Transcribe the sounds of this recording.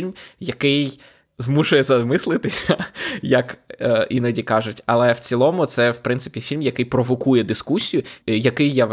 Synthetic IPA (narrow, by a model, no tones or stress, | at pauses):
lʲmjɐkɪj | zmuʃʊjɛzɐmɪslˠɪt̪ɪsʲɐjɐkːinɔdʲikɑʒʊtʲɐlˠɛwt͡sʲilˠɔmʊt̪sɛwpɾɪnsɪ̥pʲifʲilʲmjɐkɪjpɾɔʋɔkujɛd̪ɪskusʲijʊjɐkɪjːa